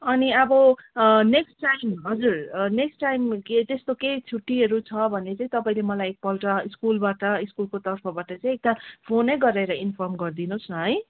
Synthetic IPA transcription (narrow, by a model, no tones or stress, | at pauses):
ʌniʌbʌneksʈʈajmɦʌd͡zurneksʈajmket̪est̪okejt͡sʰuʈːiɦʌɾut͡sʰʌbʱʌnːet͡saĩt̪ʌpaĩlemʌlajek̚pʌlʈʌiskulbaʈʌiskulkot̪ʌrpʰʌbaʈʌt͡sʌĩek̚d̪apʰonʌjɡʌɾeɾʌinpʰʌrmɡʌrd̪inosnʌɦʌj